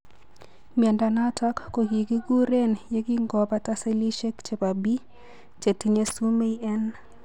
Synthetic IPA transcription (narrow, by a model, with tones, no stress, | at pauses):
mjɛ˨nda˨na˦ta˦kːo˨ɡi˨ɡi˦ɡu˦ɾe˦nje˦ɡi˦ŋɡɔ˨pa˦ta˦se˦li˦ʃe˦kt͡ʃe˨pa˨bi˦ | t͡ʃe˨ti˦ɲe˦su˦me˦i˦ʔɛ˦n